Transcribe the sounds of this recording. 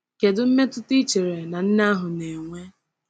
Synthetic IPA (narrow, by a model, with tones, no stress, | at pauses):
ke˨dʊ˦m̩˦me˦tʊ˦tɪ˦t͡ʃe˨ɾe˨na˨n̩˦na˦ɦʊ˨ne˨ŋʷe˦